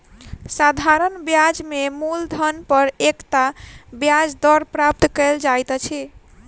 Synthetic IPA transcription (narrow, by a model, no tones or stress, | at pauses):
sad̪ʱaɾənbjad͡ʒmemuld̪ʱənpəɾekt̪abjad͡ʒd̪ɔɾpɾap̚t̪kəld͡ʒajt̪t͡ʃʰi